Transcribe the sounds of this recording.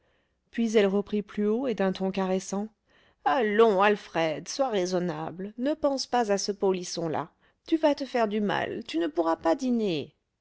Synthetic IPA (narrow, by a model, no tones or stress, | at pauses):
pɥizɛlʁəpχiplyoed̪ɛ̃t̪ɔ̃kaʁesɑ̃ | alɔ̃alfχɛd̪swaʁezɔna̰blnəpɑ̃spazasəpolisɔ̃la̰ | t̪yvat̪əfɛʁd̪yma̰lt̪ynəpuʁapad̪ine